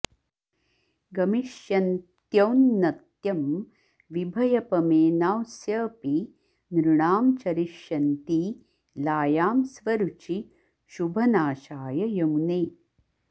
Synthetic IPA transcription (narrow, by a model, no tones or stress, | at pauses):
ɡɐmiʃjɐnt̪jɐwnːɐt̪jɐm | ʋibʱɐjɐpɐmeːnaːwsjɐːpi | nɾuɳaːmt͡ʃɐɾiʃjɐnt̪iː | laːjaːmsʋɐɾut͡ʃi | ʃubʱɐnaːʃaːjɐjɐmneː